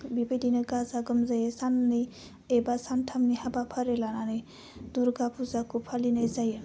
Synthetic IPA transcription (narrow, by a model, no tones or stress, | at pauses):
bibejdinɯɡazaɡɯmzajesanːi | ebasantʰamnihabapʰəɾelananɯj | d̪uɾɡapʰuzakʰupʰalinajzaje